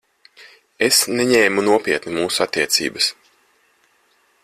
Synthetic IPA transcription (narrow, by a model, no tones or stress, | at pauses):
esneɲɛːmunuɔpʲiɛt̪nimuːsuat̪ːiɛt̪sḭːbəs